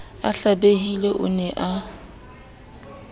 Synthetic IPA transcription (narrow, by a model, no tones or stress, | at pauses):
aɬabeɦileʔʊ̰nɛʔa